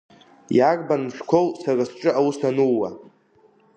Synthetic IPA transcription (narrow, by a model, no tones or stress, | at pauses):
jakʼbanmʃᶣkʷʰowsarasʈ͡ʂʼɨawusanuwa